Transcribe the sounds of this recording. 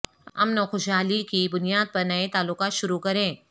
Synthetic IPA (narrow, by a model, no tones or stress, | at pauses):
ɐ̰mnoːxʊʃɦaːlikibʊnijaːd̪̚pɐɾnɐet̪aːlːʊkaːt̪ʃʊɾukɐɾẽː